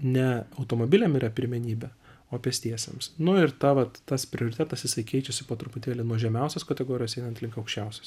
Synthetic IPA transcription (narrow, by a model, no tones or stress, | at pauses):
nʲɛɐʊt̪oːmoːbʲɪlʲɛmiːɾɐpʲɪɾʲmʲɛnʲiːbʲɛ | oːpʲɛst̪ʲiɛsʲḛmsnʊɪɾt̪ɑʋɐt̪ːɐspʲɾʲɪoːɾʲɪt̪ʲæːt̪ɐsjɪsɐɪkʲɛɪt͡ʃʲɛsʲɪpoːt̪ɾʊpʊt̪ʲeːlʲɪnuɔʒʲɛmʲɛˑʊsʲɛskɐt̪ʲɛɡoːɾʲɪjoːsɛɪnɐnt̪lʲɪŋkɐʊkʃʲt͡ʃʲɛʊsʲɛ̥s